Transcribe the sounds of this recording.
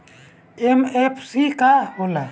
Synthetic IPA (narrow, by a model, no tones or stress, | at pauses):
emepʰsikahola